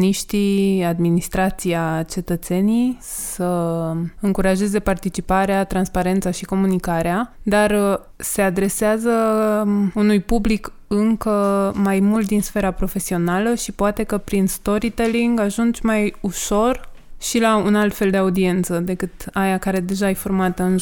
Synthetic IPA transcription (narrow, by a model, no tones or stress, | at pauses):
niʃt̪iad̪minist̪ɾat̪sijat͡ʃe̞t̪ət̪se̞nij | sə | ɨŋkuɾaʒe̞ze̞part̪it͡ʃipaɾeat̪ɾanspaɾe̞nt̪saʃiko̞munikaɾead̪ar | se̞ad̪ɾe̞seazə | unujpublik | ɨŋkəmajmult̪̚d̪insfe̞ɾapɾo̞fe̞sio̞naləʃipoat̪e̞kəpɾinst̪o̞ɾit̪eliŋɡaʒund͡ʒmajuʃo̞rʃilaunalt̪fe̞ld̪e̞aud̪ie̞nt̪səd̪e̞kɨt̪ajakaɾe̞d̪e̞ʒaeformat̪əɨn